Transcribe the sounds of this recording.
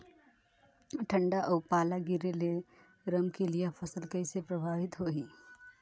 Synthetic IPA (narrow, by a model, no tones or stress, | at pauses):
ʈʰə̃ɳɖaʔɔːpaːlaɡɪɾele | ɾəmkelijepʰəsəlkəɪsepɾəbʱaːʋɪt̪ɦoːɦiː